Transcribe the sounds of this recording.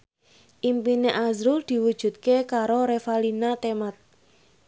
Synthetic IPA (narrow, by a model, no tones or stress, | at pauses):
ʔimpineʔazɾuld̪̥i̤wud̥ʒ̥ṳt̪̚kekaɾoɾefalinat̪emat̪̚